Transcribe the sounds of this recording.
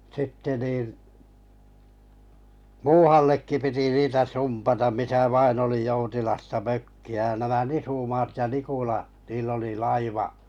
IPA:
sitːe niˑn muːhɑlːekːi piti niːtæ sumpɑtɑm misæ ʋɑin oli joutilɑstɑ møkːiæ jɑ næmæ nisumɑːt jɑ nikulɑ niːl oli lɑiʋɑʔ

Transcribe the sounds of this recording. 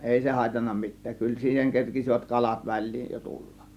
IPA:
ʔeˑi se hɑˑe̝tɑnːɑ mitˑæːk kyl siːheŋ kerkisiʋæt kɑlɑt ʋælˑiːj jo tulːɑk

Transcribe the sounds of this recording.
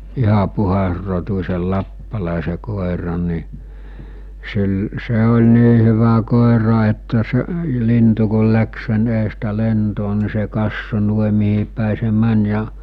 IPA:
ihɑ puhɑsrotusʲel lɑpːɑlɑˑese koˑerɑn̆ ni sil se olʲ niː hyʋæ koˑerɑ etːæ se lintu kul læks sen eːstæ lentoː ni se kɑsːo nuoĭ mihipæˑi se mæn jɑ

